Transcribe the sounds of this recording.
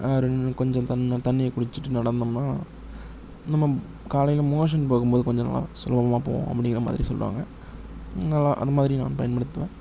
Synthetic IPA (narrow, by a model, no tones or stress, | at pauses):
aɾɯkɔɲd͡ʒɔ̃t̪ɐnːt̪ɐɳːɪjɐkʊɽɪt͡ʃːɯʈːɯnɐɽɐnd̪ɯmnaː | nɐmːɐ | kaːlɐjɪlmoːʂ̬ɐnpoːɣɯmboːðɯkɔɲd͡ʒɔnɐ̰lːa̰sʊlɐbɐbɐmaːpo̰ːʋõ̰ɐ̰pːɐɽɪŋɡɪɾɐma̰ːðɪɾisɔ̰lːʋa̰ːŋɡɐ | nɐlːaʔɐ̰ðɐmaːðɪɾinã̰ːnpɐjɐnpɐɽɯt̪ːɯʋẽː